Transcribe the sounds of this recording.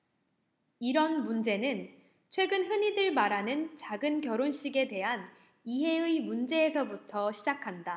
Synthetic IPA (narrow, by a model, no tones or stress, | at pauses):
iɾʌnmund͡ʑe̞nɯn | t͡ɕʰwe̞ɡɯnɦɯɲidɯɭmaɾɦanɯnt͡ɕaɡɯnkjʌɾonɕ͈iɡe̞de̞ɦan | iɦe̞ɯimund͡ʑe̞ːsʰʌbutʰʌɕʰid͡ʑakʰanda